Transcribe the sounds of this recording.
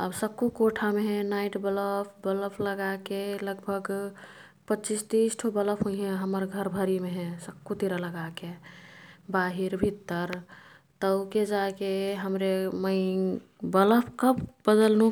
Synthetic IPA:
əbsəkːukoʈʰameɦɛ̃naiʈbələpʰbələpʰləɡakeləɡbʱəɡ | pətːt͡ʃist̪isʈʰobələpʰɦoiɦɛ̃ɦəməɾɡʱəɾbʱəɾimeɦɛ̃səkːut̪iɾaləɡake | baɦiɾbʱit̪ːəɾ | t̪əʊked͡ʒakeɦəmɾeməɪ | bələpʰkəbbəd̪əlnũ

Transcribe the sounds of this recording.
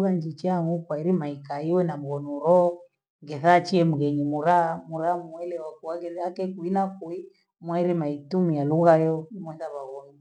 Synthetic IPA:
ɣand͡ʒit͡ʃaŋɡukwaiɾimaikaiwɛnam̩ɣɔnuɾɔ | ŋɡɛθat͡ʃiɛmuɣɛɲimuɾamuɾamuɛlɛwakuaɣɛakɛkuinakui | mwaiɾimaitumialuɣajɔimwɛθaβaɣɔɲi

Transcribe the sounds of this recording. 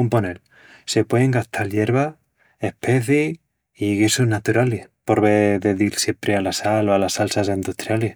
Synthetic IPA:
umpo̞nel | se̞pwe̞ðeŋɡaht̪ʰalje̞ɾβa | e̞hpe̞θi | iɣisoɦnat̪uɾalihpo̞ɾβeðe̞ðilsje̞mpɾe̞alasaloalasalsasind̪ut̪ɾjalih

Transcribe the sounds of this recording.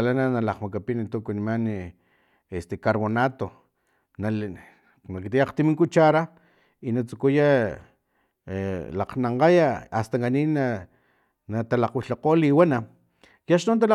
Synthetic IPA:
lananalaqmakapinit̪ukunimani | est̪ekaɾβonat̪o | na | nakit̪ijaqt̪imiŋkut͡ʃaɾa | inat͡su̥kuja | laqnaɴqajaast̪aŋɡanina | nat̪alaqwiɬaqoːliwana | jaʃnont̪al

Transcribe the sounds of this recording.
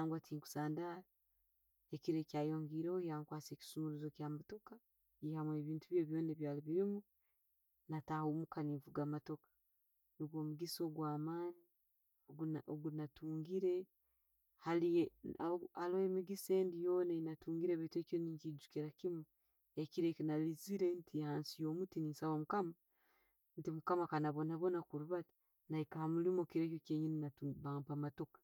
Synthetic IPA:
naːŋɡwatʰiːŋku̥saːndaɾa | ekiɾe̞caːjoːŋɡiːɾehojaːŋkwaːt͡se̞ːki̥sumuɾuzo̞kjaːmato̞ka | ihamwe̞βiːntuβje̞ːβjo̞ːneβjaːliβiɾimu | natahomukaniɱvuɡaːmato̞kḁ | niɡoːmuɡiso̞ɡwaːmaːni | ɡuoɡunatuːŋɡiɾe̞ | halije | alohemiɡise̞ːndijoːnanatuːŋɡiɾeβetekoniɲkid͡ʒukiɾakimwo | ekiɾekinaliziɾentʰihaːnsijoːmutininsaβomukama | ntimukamakanaβo̞naβo̞nakuɾuβati̥ | naikahamulimokiɾekokeɲininatuβaːmpamato̞kḁ

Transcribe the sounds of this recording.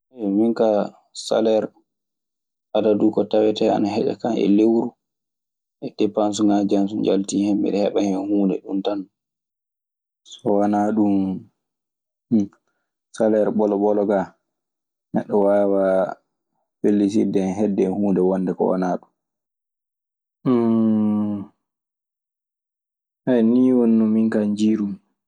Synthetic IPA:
ʔɛmiŋka | sa̰lɛɾ | ʔadadukɔtawɛtɛa̰naɦɛd͡ʒa̰kanɛ̰lewɾu | ʔɛdɛpans̬uŋad͡ʒansuɲd͡ʒaltiːhɛmːḭɗɛhɛɓahɛmhuːndɛ̰ɗuntan | sɔwanaɗum | salɛɾbɔlɔɓɔlɔɡa | nɛ̰ɗːɔwawa | pelːis̬idɛnɦɛdːɛhuːndɛwɔndɛkɔ̰wa̰naɗum | hɛjniːwonːɔmiŋkaɲd͡ʒiːɾum

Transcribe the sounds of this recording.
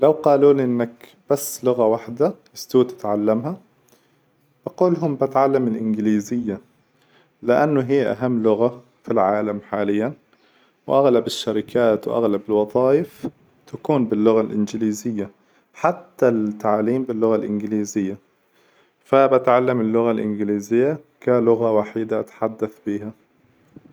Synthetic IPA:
lawqɑːluːlʔɪnːak | b̥asːlʊɣawaħd̪aʔɪst̪uːt̪ɪ̥t̪ʕalːamha | b̥ɑquːlɦʊmbat̪ʕalːamɪlʔɪnɡliːzɪjːa | lɪʔanːʊɦɪjːʔa̰ɦamːlʊɣa | filʕaːlamħaːlɪjːan | wɪ̰ʔaɣlabɪʃːaɾɪkʰaːt̪wʔa̰ɣlabɪlwɑd̪ˤɑːjɪf | t̪akuːnbɪlːʊɣalʔɪnɡɪliːzɪjːa | ħat̪ːat̪ːaʕliːmbɪlːʊɣalʔɪnɡɪliːzɪjːa | fabat̪ʕalːamɪlːʊɣalʔɪnɡɪliːzɪjːakalʊɣawaːħiːd̪aʔat̪ḁħad̪ːaθbiːha

